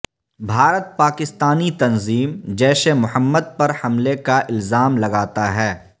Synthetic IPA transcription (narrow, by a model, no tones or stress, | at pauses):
bʱaːɾət̪̚paːkɪst̪aːnit̪ɐnziːmd͡ʒɛːsemʊhəmːəd̪̚pɐɾhɐmlekaʔɪlzaːmlɐɡaːt̪aɦɛː